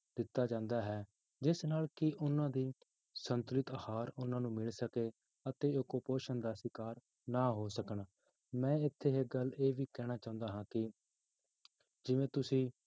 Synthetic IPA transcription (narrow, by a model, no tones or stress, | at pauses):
d̪ɪt̪ːaːd͡ʒãːnd̪aːɦɛː | d͡ʒɪsnaːlkɪʔʊnãːd̪iː | sənt̪ʊɾɪt̪əhaːɾʊnãːnũːmɪlsəkeː | ət̪eːokoːpoːʃənd̪aːsɪkaːɾ | naːɦoːsəkən | mɛ̃ːɪt̪ʰːeːɦeːɡəleːʋiːkɛːɽ̃aːt͡ʃãːʊ̃nd̪aːɦãːkɪ | d͡ʒɪʋẽːt̪ʊsĩː